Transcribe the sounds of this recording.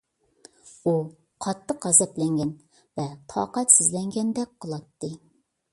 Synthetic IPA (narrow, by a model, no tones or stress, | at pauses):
u | qʰɑt̪ʰːəqɑzɛp̪lɛŋɡʲɛn | vɛt̪ʰɑ̰ːqɑt̪sɪzlɛŋɡʲɛnd̪ɛk̚ʲqʰəlˠɑt̪ːɨ